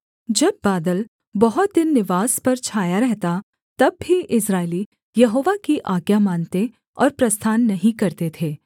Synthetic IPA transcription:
d͡ʒɐbːaːd̪əl | bɐɦʊt̪̚d̪ɪnːɪʋaːspɐɾt͡ʃʰaːjaɾɛɦt̪a | t̪ɐbɦiʔɪsɾaːɪli | jɐɦoːʋakiʔaːɡjamaːnt̪e | ɔ̰ːɾpɾɐst̪ʰaːnːɐɦĩkɐɾt̪et̪ʰeː

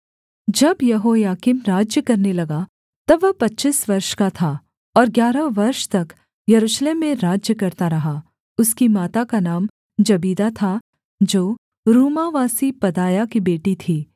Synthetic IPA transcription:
d͡ʒɐbjɐɦojaːkɪmɾaːd͡ʒjəkɐɾnelɐɡa | t̪ɐbʋɐpɐtːʃisʋɐɾʃkat̪ʰaː | ɔːɾɡjaːɾəʋɐɾʃt̪ɐk | jɐɾuːʃleːmːẽɾaːd͡ʒjəkɐɾt̪aɾɐɦa | ʊskimaːt̪akanaːm | d͡ʒɐbiːd̪at̪ʰa | d͡ʒoː | ɾuːmaʋaːsipɐd̪aːjakibeːʈit̪ʰiː

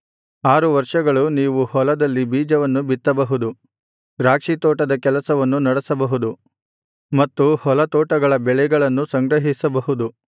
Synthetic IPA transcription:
aːɾuʋɐɾʂɐɡɐɭuniːʋuhɔlɐd̪ɐlːibiːd͡ʒɐʋɐnːubit̪ːɐbɐɦud̪u | ɾaːkʂit̪ɔːʈɐd̪ɐkɛlɐsɐʋɐnːunɐɽɐsɐbɐɦud̪u | mɐt̪ːuhɔlɐt̪ɔːʈɐɡɐɭɐbɛɭɛɡɐɭɐnːusɐŋɡɾɐɦisɐbɐɦud̪u

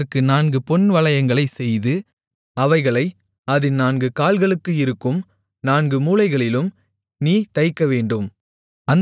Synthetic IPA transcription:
rkɯnaːnɡɯpɔnʋɐlɐjɐŋɡɐɭɐɪsɛjðɯ | ɐʋɐɪɣɐɭɐɪ | ɐðɪnaːŋɡɯkaːlɣɐɭɯkːɯɪɾɯkːɯm | naːnɡɯmuːlɐɪɣɐɭɪlɯm | niːt̪ɐɪkːɐʋeːɳɖɯm | ɐn

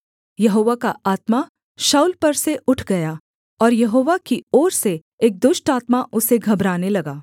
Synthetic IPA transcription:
jɐɦoːʋakaaːt̪ma | ʃaːuːlpɐɾseʊʈʰɡɐjaː | ɔːɾjɐɦoːʋakiɔːɾse | eːk̚d̪ʊʃʈaːt̪maʔʊseɡʱɐbɾaːnelɐɡaː

